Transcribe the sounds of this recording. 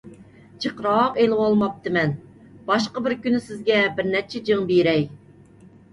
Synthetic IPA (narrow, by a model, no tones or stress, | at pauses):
t͡ʃʰəqɾɑːqelɪwɑlˠmɑp̚t̪ʰɨmɛn | bɑʃqɑbɪɾkʲynysɪzɡʲɛbɪɾnɛt͡ʃʰɛd͡ʒəŋbiɾɛj